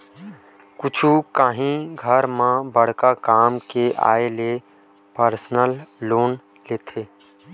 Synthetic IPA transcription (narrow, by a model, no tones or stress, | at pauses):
kʊt͡ʃʰukaːɦĩɡʱəɾmãbəɽ̤kakaːmkeʔa̰ːele | pəɾsnəlːoːn | leːt̪ʰeː